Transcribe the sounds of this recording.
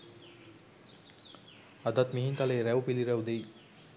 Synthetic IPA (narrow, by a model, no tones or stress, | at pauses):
ad̪at̪miɦint̪aleːɾɛwpiliɾɛwd̪ej